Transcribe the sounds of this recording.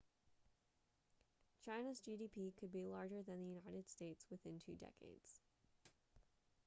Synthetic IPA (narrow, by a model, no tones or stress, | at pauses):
t͡ʃʰãɪ̃nəzd͡ʒiɾipʰikʰɨd̚bilɑɹd͡ʒə˞ðɨ̃nðɨjʉnaɪɾɨd̥steɪtswɨθɪ̃ntʰʉ̰dɛ̰kḛɪd̥z̥